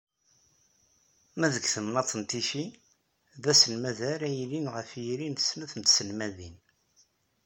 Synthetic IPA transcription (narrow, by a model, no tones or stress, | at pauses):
mæðəɡθəmnɑt̪ˤːənt̪iʃi | ðæsənmæðæɾæjlinʁəfjiɾinθə̥snæθənt̪sənmæðin